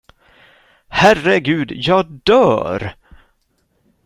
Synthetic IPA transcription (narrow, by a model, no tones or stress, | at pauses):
hærəɡʉ̟ːd̪jɑːɡ̚d̪œːɾ